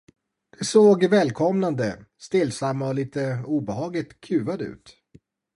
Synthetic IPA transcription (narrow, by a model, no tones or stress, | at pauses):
d̪̥ɛsoːɡvɛːlkʰɔmnand̪əst̪ɪlsamːaɔliːt̪əuːbɛhɑːɡlɪt̪kʰʉ̟ːvad̪əʉ̟̰ːt̪